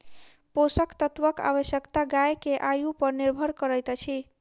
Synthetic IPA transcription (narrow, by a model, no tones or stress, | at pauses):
posəkt̪ət̪ʋəka̰βəsjəkt̪aɡajkeʔajupəɾniɾbʱəɾkəɾəjt̪t͡ʃʰi